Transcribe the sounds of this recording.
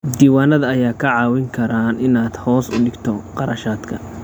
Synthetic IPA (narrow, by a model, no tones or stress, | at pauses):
d̪iːwaːnɐðɐːjaːkʰɐʕɑːwɪŋkʰɐɾaːnɪnaːd̪hɔːsʊ̰ɖɪɡt̪ʰɔqɑɾɐʃaːd̪kʰɐ